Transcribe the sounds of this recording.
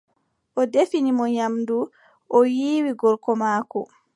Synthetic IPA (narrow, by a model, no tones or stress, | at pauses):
ʔɔdefinimɔɲamdu | ʔɔjiːwiɡɔɾkɔmaːkɔ